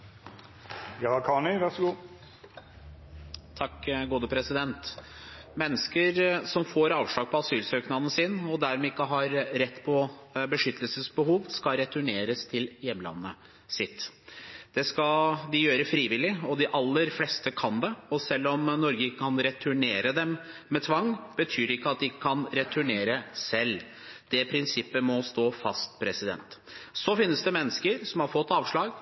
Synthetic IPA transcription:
jɑːkʰɑːɳɪʋæsɡuː | t̪ʰɑkːɡoːd̪əpʰɾɛsɪd̪ɛnt̪ | mɛnːəskəɾsɔmfoːɾɑːʋʂɭɑːɡ̚pʰɔɑsyːlsøːknɑnəsiːnɔd̪æɾmɛːɪkːəɦɑɾɾɛt̪ːpʰɔbəʂʏt̪ʰːəlsəsbəhuːʋskɑɾɛt̪ʰʉɳeːɾəst̪ʰɪljɛmːlɑ̰nːə | sɪt̪ː | d̪̥ɛskɑd̪ɪjøːɾəfɾiːʋɪlɪɔd̪ɪʔɑlːəɾflɛst̪əkʰɑnd̪ɛɔsɛlːɔmnɔɾɡəɪkːkʰɑnɾɛt̪ʰʉɳeːɾəd̪ɛm | mɛt̪ʰʋɑŋːbət̪ʰyːɾɪkːəɑt̪̚d̪ɪkʰɑnɾɛt̪ʰʉɳeːɾəsɛlː | d̪̥ɛpʰɾɪnsɪpːəmɔst̪oːfɑst̪pʰɾɛsɪd̪ɛ̰nt̪sɔfɪnːəsd̪ɛmɛnːəskəɾsɔmhɑɾfɔt̪ːɑːʋʂɭɑːɡ

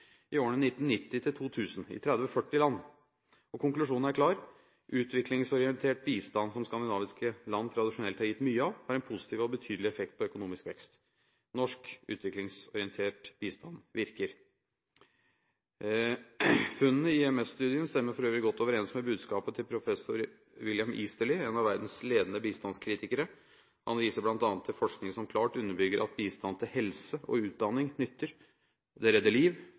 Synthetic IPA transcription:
ʔɪoːəɳənɪt̪ːn̩nːɪt̪ːɪt̪ʰɪlt̪ʰuːt̪ʰʉːsnɪ̰t̪ʰɾɛd̪ʋɔfœʈːɪlɑnː | ɔkʊŋklʉʂuːnn̩æɾklɑːɾ | ʔʉːt̪ʰʋɪklɪŋsɔɾɪɛnt̪ʰeːʈ̚biːst̪ɑnːsɔmskɑnd̪ɪnɑːʋɪskəlɑnːt̪ʰɾɑd̪ɪʂʊnɛlt̪hɑɾjɪt̪ːmyːəɑʋhɑɾɛnpʰʊsɪ̥t̪ʰiːʋɔbət̪ʰyːd̪lɪɛfɛk̚t̪̚pʰɔœkʊnuːmɪskʋɛkst̪ | nɔʂkʉ̰ːt̪ʰʋɪklɪŋsɔɾɪənt̪ʰeːʈb̥iːst̪ɑnʋɪɾkəɾ | fʉnːənəɪɛmɛsst̪ʉːd̪ɪənst̪ɛmːəɾfɔɾøːʋɾɪɡɔt̪ːoːʋəɾeːnsməbʉːd̪skɑːpət̪ʰɪlpʰɾʊfɛsʊɾ | ʋɪljɑmʔiːst̪əlɪeːnɑʋæɾd̪n̩sleːd̪ənəbiːst̪ɑnskʰɾiːt̪ɪkəɾə | hɑnʋiːsəblɑnt̪ɑnət̪ʰːɛlfɔʂknɪŋəsɔmkʰlɑːʈʉnːəbʏɡəɾʔɑt̪̚biːst̪ɑnːt̪ʰɪlhɛlsəʔɔ̰ʉːt̪̚d̪ɑnːɪŋnʏt̪ʰːəɾ | d̪ɛɾɛd̪ːəliːʋ

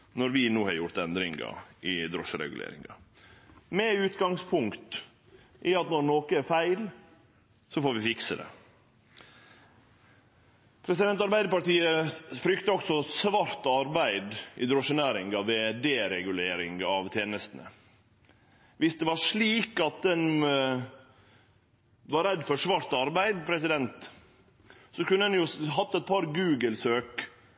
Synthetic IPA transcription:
nɔɾʋɪnuːhɑɾjʊɾt̪ɛnd̪ɾɪŋɡɑ̰ɪd̪ɾɔʂəɾɛ̰ɡʉlḛːɾɪ̰ŋɑ̰ | mɛʉːt̪ɡɑŋspʰʊŋkt̪ | ʔɪɑt̪nɔɾnoːkəæɾfæɪl | sɔfoːɾʋɪfɪksəd̪ɛ̰ | pʰɾɛsɪd̪ɛnt̪ɑɾbæɪd̪əpɑʈ̪iːəfɾʏkt̪əɔksɔsʋɑɾt̪ɑɾbæɪd̪ʔɪ̰d̪ɾɔʂənæːɾɪŋɡɑʋed̪eːɾɛɡʉleːɾɪ̰ŋɡɑʋt̪ʰjeːnəst̪ənə̰ | ʋɪsd̪ɛʋɑʂɭiːkɑt̪̚d̪ɛn | ʋɑɾɛd̪ːfɔʂʋɑɾt̪ɑɾbæɪd̪pʰɾɛsɪd̪ɛnt̪ | sɔkʉnːəɛnjʊɦɑt̪ːɛt̪̚pʰɑɾɡʉːɡəlsøːk

